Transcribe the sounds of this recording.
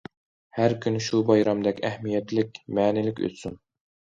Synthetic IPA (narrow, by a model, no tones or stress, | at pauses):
hæɾkʲʰynɪʃubɑjɾɑmd̪ɛkʲɛhmijɛt̪lɪkʲmɛːnɪlɪkʲø̰t̪syn